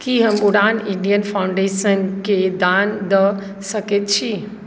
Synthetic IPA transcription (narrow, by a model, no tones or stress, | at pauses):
kiɦəmbʊɽaːnɪɳɖijənfʰaːʊ̃ɳɖeːʃənked̪and̪ə | səket̪t͡ɕʰi